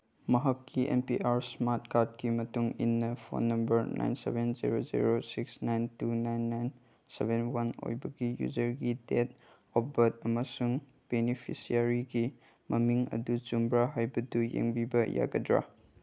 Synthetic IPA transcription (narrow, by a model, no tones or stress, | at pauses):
mɐɦakːiʔempiʔaɾsmat̚kat̚kimɐtuŋinːɐpʰo̰nːɐmbɐɾna̰jnsḛbenzḭɾozḭɾosiksnajntunajnːajn | sebenwano̰jbɐɡijṵd͡ʒɐɾɡidet | ɔbɐtɐmɐsuŋ | b̥enipʰisiaɾiɡi | mɐmiŋɐ̰dut͡ʃumbɾaɦajbɐdujḛŋbibɐja̰ɡɐ̰dɾa̰